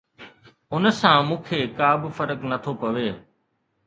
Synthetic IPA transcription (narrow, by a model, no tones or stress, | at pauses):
ʊnsãːmũːkʰeːkaːbɪfəɾəknɐt̪ʰoːpɐʋeː